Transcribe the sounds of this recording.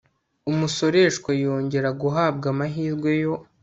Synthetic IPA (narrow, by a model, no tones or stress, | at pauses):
umuso̞ɾe̞ʃkwajoːɲɟe̞ɾaɡuɦaːb̚ɡamaɦiːɾɡwe̞jo̞